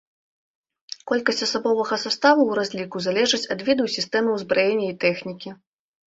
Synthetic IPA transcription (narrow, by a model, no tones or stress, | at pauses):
kɔlʲkɐsʲt͡sʲɐsabɔvɐɣɐsust̪avuwɾazʲlʲikuzalʲɛʐɨt͡sʲɐd̪vʲid̪ɨusʲist̪ɛmɨwzbɾʔajɛnʲːɐit̪ɛxnʲikʲi